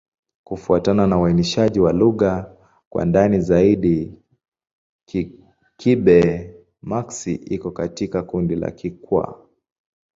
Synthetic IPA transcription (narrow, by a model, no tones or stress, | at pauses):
kufuatananawainiʃaʄiwaluɣa | kwa̰ndanizaiɗi | kiɓɛ | maksiʔikɔkatikakundila̰kikwa̰